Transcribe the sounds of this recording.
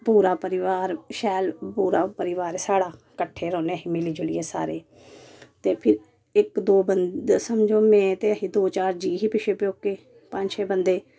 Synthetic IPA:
puːɾaːpəɾɪʋaːɾʃɛːlpuːɾaːpəɾɪʋaːɾesaːɽaː | kəʈʰːeːɾɔ̃ːneːəɦiːmeliːd͡ʒʊlɪ̰jeːsa̰ːɾeː | t̪eːpʰɪɾ | ɪkd̪oːbəndsəmd͡ʒoːmɛ̃ːt̪eːəɦiːd̪oːt͡ʃaːɾd͡ʒiːɦiːpɪʃeːpjoːkːeː | pə̃ɲd͡ʒt͡ʃʰɛːbənd̪eː

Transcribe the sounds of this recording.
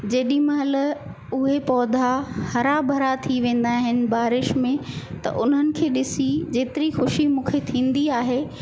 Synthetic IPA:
d͡ʑeːɗĩmɐɦɐlə | ʊɦepɔːd̪ʱahɐɾabʱɐɾat̪ʰiʋẽːn̆d̪aːɦɪnɪ̆baːɾɪʃmẽt̪ɐ̰ʔʊn̤ɦənɪ̆kʰeːɗɪsid͡ʑeːt̪ɪɾixʊʃimũːkʰet̪ʰĩːn̆d̪iaːɦeː

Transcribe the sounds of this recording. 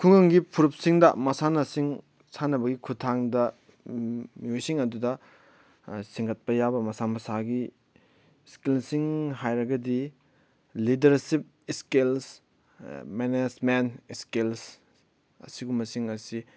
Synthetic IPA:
kʰuŋɐŋɡipʰuɾup̚siŋdɐmɐsanɐsiŋ | sʰanɐbɐɡikʰutʰaŋdɐ | miojsiŋɐdudɐ | siŋɡɐt̚pɐjabɐmɐsamɐsaɡi | skilsiŋɦajɾɐɡɐdi | lidɐɾsip̚ | skils | menesmenskils | ɐ̰siɡumɐsiŋɐsi

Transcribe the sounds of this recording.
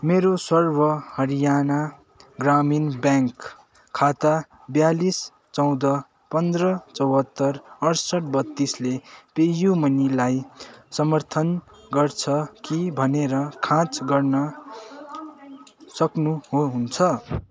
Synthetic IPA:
meɾosʌrbʌhʌɾijana | ɡraminbjaŋkʰː | at̪a | bjalis | t͡sʌw̃d̪ʌ | pʌnd̪rʌt͡sʌwɦʌt̪ːʌrʌɾsʌʈ̚bʌt̪ːislepejumʌnilajsʌmʌrt̪ʰʌn | ɡʌrt͡sʰʌkibʱʌneɾʌkʰãt͡sɡʌrnʌ | sʌknuɦoɦunt͡sʰʌ

